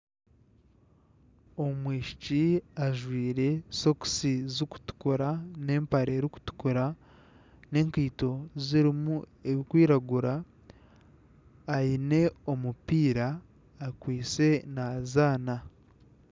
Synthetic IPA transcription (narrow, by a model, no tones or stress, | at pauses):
omwiːʃi̥ciaʒwiːɾe̞so̞ku̥sizuku̥tu̥koɾane̞ːmpaɾeːɾiku̥tu̥koɾa | ne̞ːŋkiːto̞ziɾimu | e̞βikwiːɾaɡuɾa | jine̞o̞mupiːɾaː | kwiːt͡se̞nazaːna